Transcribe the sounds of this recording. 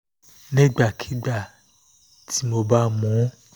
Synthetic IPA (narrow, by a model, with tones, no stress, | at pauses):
nĩ˦ɡ͡ba˦˨kʰi̥˨˦ɡ͡ba˦˨ | tʰi˨˦mo˧ba˦mɔ̃˨˦